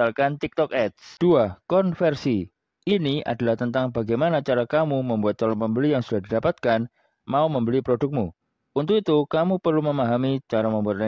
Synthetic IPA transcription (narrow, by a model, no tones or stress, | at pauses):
alkant̪ɪk̚t̪ɔk̚ɛt̪̚sd̥uakɔnfɛrsi | ʔinia̰dalaht̪ənt̪aŋbaɡajmanat͡ʃaɾakamuməmbuat̪ːɔlɔmpəmbəlijaŋsudahdidapat̪̚kan | mauməmbəlipɾodʊk̚mu | unt̪ʊkit̪ukamupərluməmaɦamit͡ʃaɾaməmbuat̪̚la